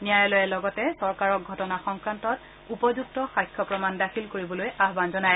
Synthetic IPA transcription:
nijajɔlojɛlɔɡɔtɛsɔɹkaɹɔk̚ɡʱɔtɔnaxɔŋkɹantɔt | upɔzuk̚tɔxajkʰːɔpɹɔmandakʰilkoɹibɔlojaɦbanzɔnaj

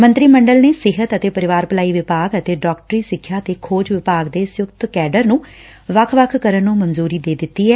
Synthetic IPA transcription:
mə̃nt̪ɾiːməɳɖəlneːsɪɦət̪ət̪eːpəɾɪʋaːɾpəlaːiːʋɪpaːɡət̪eːɖɔːk̚ʈəɾiːsɪkʰjaːt̪eːkʰoːd͡ʒʋɪpaːɡd̪eːsjʊkt̪kɛːɖəɾnũː | ʋəkʰʋəkʰkəɾənːũːmənzuːɾiːd̪eːd̪ɪt̪ːiːɦɛː

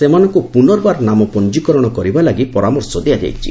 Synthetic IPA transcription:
semanɔŋkupunɔɾbaɾnamɔpɔnd͡ʒikɔɾɔɽ̃ɔkɔɾibalaɡipɔɾamɔɾsɔd̪iad͡ʒa̰jt͡ʃʰḭ

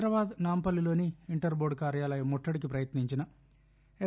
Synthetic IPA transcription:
ɾɐʋaːd̪naːmpɐlːilo̞ːniiɳʈɐɾbo̞ːɽkaːɾjaːlɐjɐmːoʈʰːɐɽikipɾɐjɐt̪niɲt͡ʃinɐ | e

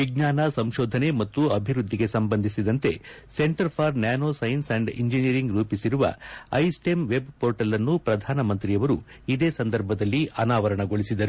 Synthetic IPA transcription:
ʋiɡɲaːnɐsɐmʃɔːd̪ʱɐne̞mɐt̪ːuɐbʱiɾud̪ʱːiɡe̞sɐmbɐnd̪ʱisid̪ɐnt̪e̞̰ | se̞ɳʈɐɾpʰɐɾnjaːnoːsɐjnsɐɳɖḭɲd͡ʒiniɾiŋɡɾuːpisiɾuʋɐ̰ɐjsʈe̞mʋe̞bpoːɾʈɐlːɐnːupɾɐd̪ʱaːnɐmɐnt̪ɾijɐʋɐɾu | id̪e̞ːsɐnd̪ɐɾbʱɐd̪ɐlːiʔɐnaːʋɐɾɐɳɐɡo̞ɭisid̪ɐɾu

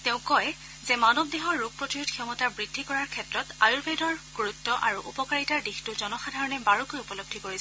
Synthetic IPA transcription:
tẽʊ̃kɔj | zɛmanɔb̚deɦɔɹːuɡ̚pɹɔtijudxiɔmɔtaɹbɹidʱːikɔɹaɹkʰɛtɹɔta̰juɹpejdɔɹɡ̥oɹutːɔʔa̰ɹuʔupɔkaɹitaɹdixtʊzɔnɔxadʱaɹɔnɛbaɹukojupɔlob̚dʱikoɹisɛ

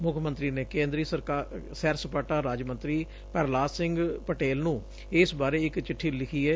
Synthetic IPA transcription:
mʊkʰmə̃nt̪ɾiːneːkẽːnd̪ɾiːsəɾkaːsɛːɾsəpəʈaːɾaːd͡ʒmə̃nt̪ɾiː | pɛɾlaːsɪ̃ŋɡpəʈeːlnũː | ɪsbaːɾeːɪkt͡ʃɪʈʰːiːlɪkʰiːɛː

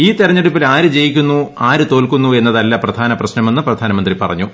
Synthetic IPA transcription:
iːt̪irɐɲːeɽupːilaːɾɨd͡ʑe̞jikʲːunːuaːɾɨt̪o̞ːlkunːue̞nːɐðɐlːɐprɐd̪ʱaːnɐprɐɕnɐmenːɨprɐd̪ʱaːnɐmɐnd̪ripɐ̰rɐ̰ɲːu

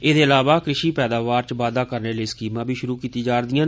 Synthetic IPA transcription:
eːd̪eːəlaːʋaːkɾɪʃiːpɛːd̪aːʋaːɾt͡ʃʋaːd̪aːkəɾneːleːskiːmãːbʱiːʃʊɾuːkiːt̪iːd͡ʒaːɾd̪ɪjãː

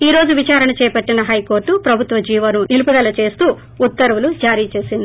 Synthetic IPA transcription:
iːɾo̞ːd͡ʒuʋit͡ʃaːɾɐɳɐt͡ʃɛːjɐpɐʈːinɐɦɐjko̞ːɾʈupɾɐbʱut̪ʋɐd͡ʒiːʋɐnunilupud̪ɐlɐt͡ʃe̞ːst̪uː | t̪ːɐɾʋulud͡ʒaːɾiːt͡ʃe̞ːsind̪i

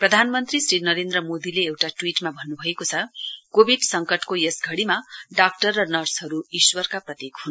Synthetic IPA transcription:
prʌd̪ʱanmʌnt̪risrinʌɾend̪ɾʌmod̪ileewʈaʈwiʈmabʱʌnːubʱʌekot͡sʰʌkobʱiɖsʌŋkʌʈkojʌsɡʱʌɽimaɖak̚ʈʌrːʌnʌrsɦʌɾuiswʌrkaprʌt̪ekɦun

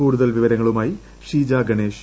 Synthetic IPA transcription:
uːɽuðɐlʋiʋɐɾɐŋːɐɭumaːji | ʂiːd͡ʑaːɡɐɳeːʂ

